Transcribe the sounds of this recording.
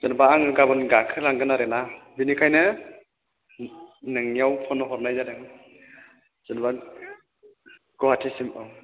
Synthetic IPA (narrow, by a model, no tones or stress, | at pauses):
z̥ɯnbaːŋɯɡabɯnɡakʰɯɾaŋɡɯnaɾenabinikʰajnɯ | nɯŋijawpʰɔnɔɦɔɾnajzadɯŋ | z̥ɯnba | ɡ̥ɔhatʰesimɯw